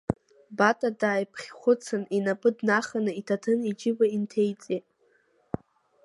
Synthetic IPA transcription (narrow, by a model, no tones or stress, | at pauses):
batʼadaːjpʰχʲχʷʊt͡sʰɨninapʼɨdnaχanɨitʰatʰɨnid͡ʒɪbaintʰejt͡sʼetʼ